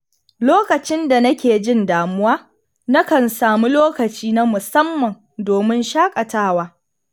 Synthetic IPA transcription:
loː˦kɐ˨t͡ʃɪ˦nda˨nɐ˦kʲeː˨d͡ʒɪ˦ndaː˨mʊ˦waː˦ | nɐ˦kɐ˨nsaː˨mu˦loː˦kɐ˨t͡ʃiː˦na˦mʊ˨sɐ˦mːɐ˨n | doː˨mɪ˦nʃaː˦kʼɐ˨taː˦waː˦

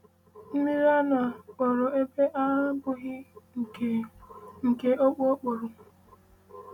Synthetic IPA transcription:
n̩˦mi˦ɾa˦na˨k͡pɔ˨ɾʊ˨e˦pe˦ʔa˦bʊ˦ɣɪ˦˨ | ŋ̩˨ke˨ʔo˦k͡po˦k͡po˨ɾʊ˨

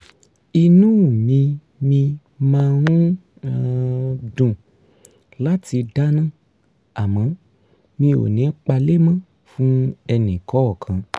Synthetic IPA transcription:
i˧nũ˦˨mĩ˧ | mĩ˧ | mãː˦˧˦ɾũ˦ | dũ˨ | la˦ti˧da˦nã˦˨ | a˨mã˨˦ | mĩ˧o̰˨nĩ˨˦k͡pa˧le˦mã˦ | fũ˦ɛ˧nĩ˨kɔ˨˦ɔ˦˨kʰã˨

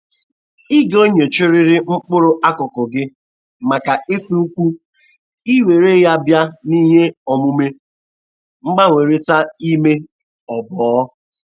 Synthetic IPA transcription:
i˦ɡo˦ɲe˨t͡ʃʊ˦ɾɪ˦ɾɪ˦ŋ͡m̩˦k͡pʊ˦ɾʊ˦ʔa˦kɔ˨kɔ˨ɡɪ˦ | ma˨ka˨ɪ˦fi˦u˦kʷu˦ | i˦we˨ɾe˦ja˦bja˦ni˦ɦe˦ɔ˨mʊ˦me˦ | ŋ͡m̩˦ɡ͡ba˦ŋʷe˨ɾe˦ta˦i˦me˦ | ɔ˨bɔː˨˦

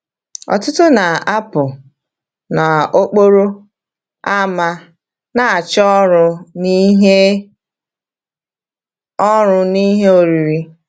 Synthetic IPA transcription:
ɔ̰˨tʊ˦tʊ˦na˨a˦pʊ˨ | na˨o˦k͡po˦ɾo˦ | a˦ma˦ | na˨a˨t͡ʃɔ˦ɾʊ˦ni˦ɦe˦ | ɔ˦ɾʊ˨ni˦ɦe˦o˨ɾi˨ɾi˦

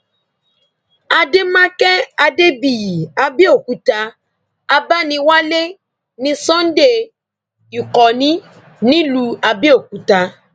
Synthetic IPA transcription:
a˧de˦mã˦kɛ˦a˧de˦bi˨ji˨a˧bi˦o˦˨ku˨˦ta˧ | a˧ba˦nĩ˧wa˦le˦ | nĩ˧sɔ̃˦n̩˦de˦˨ | i˨kɔ˨nĩ˦ | nĩ˦lu˧˦a˧bi˦o˦˨ku˨˦ta˧

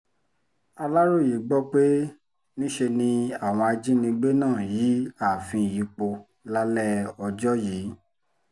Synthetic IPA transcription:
a˧la˦ɾo˦˨ji˨˦ɡ͡bɔ˦k͡pe˦ | nĩ˦ʃe˧nĩ˧a˨w̃ɔ̃˧a˧d͡ʒĩ˦nĩ˧ɡ͡be˦nãː˦˨ji˨˦a˦˨fĩ˧˨ji˨˧˦k͡po˧ | la˦lɛ˦ɔ˧d͡ʒɔ˦jiː˨˦

